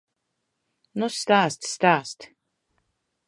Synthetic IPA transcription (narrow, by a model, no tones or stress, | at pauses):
nust̪aːst̪st̪aːst̪